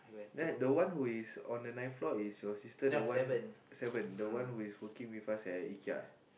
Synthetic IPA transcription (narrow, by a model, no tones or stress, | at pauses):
dɛdəwãnhuisɔ̃ndənãj̃nflɔisjɔsistəwãvə̃nsɛvə̃ndəwãnhuiswəkĩŋwifasɛikia̰